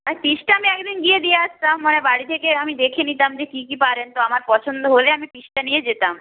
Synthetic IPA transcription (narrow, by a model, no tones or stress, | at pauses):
aɾpiʃʈaamiɛkd̪inɡied̪ijeaʃt̪amːanebaɽit̪ʰekeamid̪ekʰenit̪amd͡ʑekikipaɾent̪oamaɾpɔt͡ʃʰond̪oɦoleamipiʃʈanijed͡ʑet̪am